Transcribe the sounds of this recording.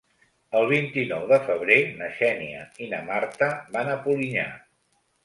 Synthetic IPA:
əlˠβ̞int̪inɔwðəfəβ̞ɾenəʃɛniəinəmart̪əβanəpuliɲa̰

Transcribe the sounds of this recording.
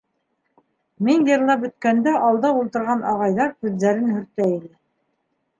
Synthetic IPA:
minjɤ̆ɾlˠɑpbɵ̆t̪kænd̪æʔɑlˠd̪ɑulˠt̪ɤ̆ɾʁɑnɑʁɑjðɑɾkʉðːæɾɘnhɵ̆ɾt̪æilɘ

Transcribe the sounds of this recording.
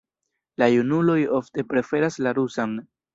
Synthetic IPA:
lajunulo̞jo̞fte̞pɾe̞fe̞ɾaslaɾusan

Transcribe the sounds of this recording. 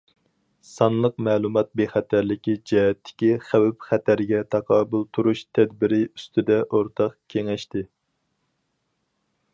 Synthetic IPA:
sɑnlˠəqmɛːlˠumɑt̪̚beχæt̪ʰæɾlɪkʲid͡ʒɛɦɛt̪ʰːɪ̥kʲiχæwɛpχæt̪ʰæɾɡʲɛt̪ʰɑqʰɑːbulˠt̪ʰuɾuʃt̪ʰɛd̪bɪɾɪyst̪ʰɪd̪ɛʔoɾt̪ʰɑqkʲʰeŋɛʃt̪ɪ

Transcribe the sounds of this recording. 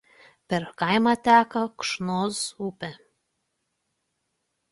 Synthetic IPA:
pʲɛɾkɐˑɪmɑt̪ʲæːkɐkʃnoːsupʲɛ

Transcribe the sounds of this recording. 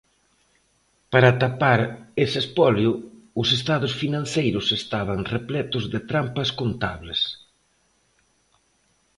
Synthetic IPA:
paɾat̪apaɾesespɔljʊʊsest̪aðʊsfinãn̟θejɾʊsest̪aβɐŋreplɛt̪ʊzðɪt̪ɾampɐskont̪aβles

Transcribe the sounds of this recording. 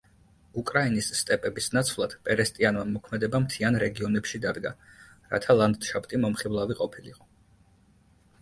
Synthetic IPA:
ukʼɾainisːt̪ʼɛpʼɛbisnat̪sʰvlˠad̪̥pʼɛɾɛst̪ʼianmamɔkʰmɛd̪ɛbamt̪ʰianɾɛɡiɔnɛpʃid̪ad̪ɡa | ɾa̰t̪ʰalˠand̪ʃapt̪ʼimɔmχivlˠaviqʼɔpʰilḭqʼɔ

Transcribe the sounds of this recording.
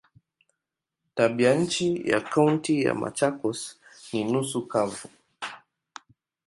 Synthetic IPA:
taɓiaɲ̩t͡ʃija̰kauntija̰ma̰t͡ʃakɔsninusukavu

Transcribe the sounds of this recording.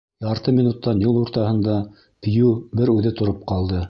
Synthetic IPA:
jɑɾt̪ɤmʲinut̪ːɑnjulˠuɾt̪ɑhɤ̆nd̪ɑ | t̪ɘ̆jʉbɘɾʉðɘt̪ŏɾop̚qɑlˠd̪ɤ

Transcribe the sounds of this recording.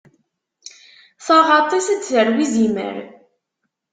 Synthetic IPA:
θɑʁɑt̪ˤisət͡sːθəɾwizimə̰ɾ

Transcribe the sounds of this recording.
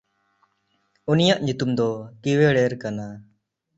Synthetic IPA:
unijaʔɲut̪umd̪ɔkiweɽɛɾkana

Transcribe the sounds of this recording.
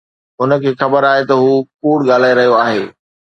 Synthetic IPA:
ɦʊnə̆kʰeːxɐbəɾaːɦet̪ɐɦuːkuːɽɠaːl̤aːeɾɐɦijoaːɦeː

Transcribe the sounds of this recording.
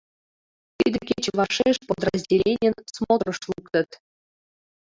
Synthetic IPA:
t̪ʲid̪ʲɘkʲet͡ɕʋɑʂeʂpod̪rəzʲdʲelʲenʲɘ̆nsmod̪rɤ̆ʂlˠukt̪ɤ̆t̪ʲ

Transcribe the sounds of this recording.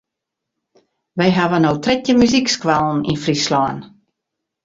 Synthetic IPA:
ʋejɦaʋənowtrɪtəmyzikskwalˠn̩ḭnfrislɔn

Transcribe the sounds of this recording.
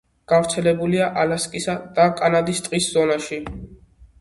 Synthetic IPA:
ɡ̥avɾt̪sʰɛlɛbuliaʔalaskʼisad̪̥akʼanad̪ist̪ʼqʼisz̥ɔnaʃi

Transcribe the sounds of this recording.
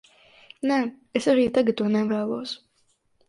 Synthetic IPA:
nɛː | esaɾiːt̪aɡauɔnɛvæːlˠuɔs

